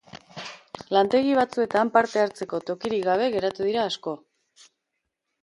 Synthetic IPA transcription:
lant̪e̞ɣiβ̞at͡sue̞t̪ampaɾt̪e̞aɾt͡se̞ko̞t̪o̞kiɾikɡaβ̞e̞ɣe̞ɾat̪uðiɾaːsko̞

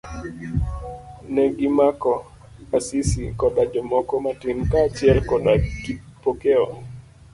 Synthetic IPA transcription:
nɛɡimakɔ | asisikɔdad͡ʒɔmɔkɔmatimkaːt͡ʃjɛlkɔaipokeɔ

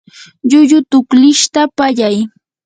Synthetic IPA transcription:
ʎʊʎʊt̪ʊklɪʃt̪apaʎaj

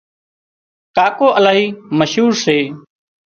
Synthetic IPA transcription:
kaːkoːʔəlaːɦiːməʃɦuːɾseː

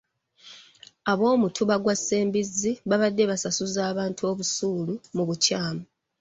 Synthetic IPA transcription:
aβo̞ːmutʰuβaɡwaseːmbizːiβaβadːe̞βasasuzaːβaːntʰuo̞ːβusuːlumuβucaːmu

